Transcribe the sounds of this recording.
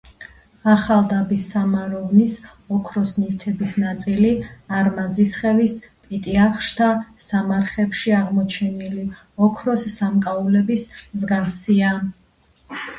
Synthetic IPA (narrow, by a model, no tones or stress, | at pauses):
aχalˠd̪abisːamaɾɔvnis | ɔkʰɾɔsnift̪ʰɛbisnat̪sʼiliaɾmazisχɛvispʼit̪ʼiaχʃt̪ʰasamaɾχɛpʃiaʁmɔt͡ʃʰɛnili | ɔkʰɾɔsːamkʼaulɛbismzɡafsia